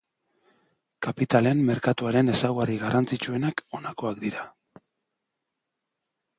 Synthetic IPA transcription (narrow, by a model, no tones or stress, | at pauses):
kapit̪ale̞mːe̞ɾkat̪uaɾe̞ne̞sawɣariɣarant͡sit͡ʃue̞nako̞nako̞akd̪iɾa